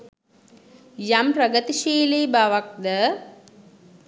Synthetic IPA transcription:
jamprəɡət̪iʃiːleːbaʋak̚d̪ə

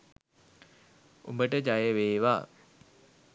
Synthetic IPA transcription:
ṵmbəʈəd͡ʒajəʋeːʋaː

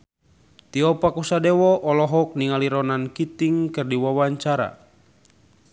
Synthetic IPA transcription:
t̪iɔpakusadɛwɔʔɔlɔɦɔk̚niŋaliɾɔnankit̪iŋkɨrdiwawaɲt͡ʃaɾa̰

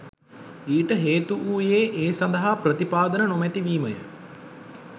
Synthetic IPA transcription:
iːʈəɦeːt̪uʔuːjeːʔeːsɐnd̪əɦaprət̪ipaːd̪ənənomɛt̪iʋiːməjə̰

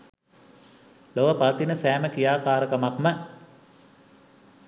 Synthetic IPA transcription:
loʋəpat̪inəsæːməkijaːkaːɾəkəmakmə

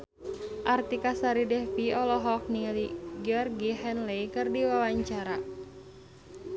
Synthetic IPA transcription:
ʔart̪ikasaɾidɛfiɔlɔɦɔk̚nialiɡiɔrɡiɦɛnlɛjkɨrdiwawaɲt͡ʃaɾa

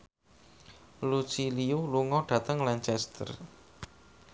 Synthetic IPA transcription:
lut͡ʃiliuluŋɔɖ̥ä̤t̪əŋlant͡ʃɛst̪ə̰r

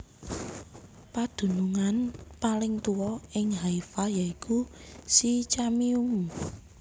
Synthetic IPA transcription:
pad̪̥ṳnuŋanpalɪŋt̪uwɔɪŋɦaifajaikʰusit͡ʃamium

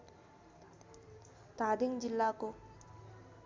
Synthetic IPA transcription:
t̪aːd̪iŋd͡ʒilːako

